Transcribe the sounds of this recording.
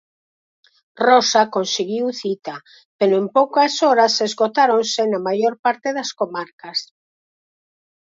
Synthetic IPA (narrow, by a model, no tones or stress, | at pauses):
rɔsakonseɣiwθit̪a | peɾoẽmpowkasɔɾasezɣot̪aɾonsenamajoɾpaɾt̪eðɐskomaɾkas